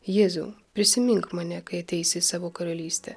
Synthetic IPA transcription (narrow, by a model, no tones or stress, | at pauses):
jeːzṵpʲɾʲɪsʲɪmʲɪŋkmɑːnʲɛkɐɪɐt̪ʲɛɪsʲɪsɑːʋoːkɐɾɐlʲiːsʲt̪ʲɛ